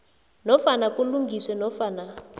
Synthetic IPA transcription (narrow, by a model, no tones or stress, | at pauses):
nɔfanakuluŋɡʱiswɛnɔfana